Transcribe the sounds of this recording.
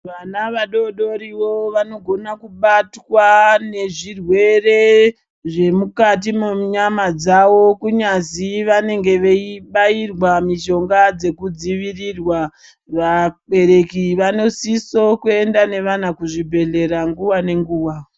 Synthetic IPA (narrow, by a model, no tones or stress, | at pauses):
ʋanaʋaɗo̞ɗo̞ɾiʋoʋano̞ɡʱo̞nakuɓatwane̞ʐirwe̞re | ʐe̞mukat̬imuɲamad͡zawo̞kuɲaziʋane̞ŋɡe̞ʋe̞iɓairwamiʃo̞ŋɡad͡ze̞kud͡ziʋirirwa | ʋaɓe̞ɾe̞kiʋano̞siso̞kue̞ndane̞ʋanakuʐibʱe̞ɮe̞ɾaŋɡuwane̞ŋɡuːwa